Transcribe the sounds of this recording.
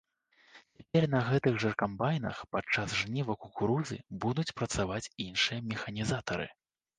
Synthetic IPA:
t͡sʲapʲɛrnɐɣɛt̪ɨɣʐɐrkambajnɐ̰xpat͡ʂːasʐnʲivɐkukuɾuzɨ̰bud̪ut͡sʲpɾɐt̪savat͡sʲinʂɨjɐmʲɛxɐnʲizat̪ɐɾɨ̰

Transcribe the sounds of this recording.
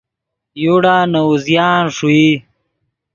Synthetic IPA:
juɽaːnɐuzjaːnʂui

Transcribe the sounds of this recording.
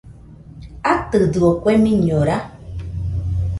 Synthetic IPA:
atɨdɨɔkwɛmĩɲɔɾa

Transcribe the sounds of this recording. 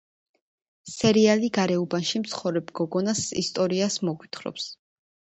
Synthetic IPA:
sɛɾialiɡaɾɛubanʃimt̪sʰχɔvɾɛbɡɔɡɔnasḭst̪ʼɔɾiasmɔɡwit̪ʰχɾɔ̰ps

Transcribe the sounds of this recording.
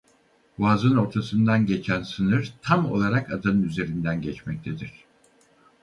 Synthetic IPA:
vaːzɯno̞ɾt̪ʰasɯnd̪anɟet͡ʃʰænsɯnɯɾt̪ʰamo̞̰lˠaɾakʰa̰d̪anɯnyze̞ɾind̪ænɟɛt͡ʃmɛc̚t̪ʰed̪iɾ̥

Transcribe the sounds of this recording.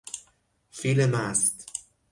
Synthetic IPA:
filemæst̪

